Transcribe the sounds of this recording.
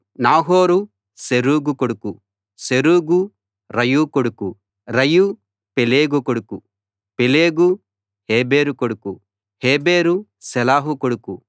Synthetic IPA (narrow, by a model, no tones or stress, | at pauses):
naːɦoːɾu | seɾuːɡukoɽuku | seɾuːɡu | ɾɐjukoɽuku | ɾɐju | peleːɡukoɽuku | peleːɡu | heːbeːɾukoɽuku | heːbeːɾu | sɛlaːɦukoɽuku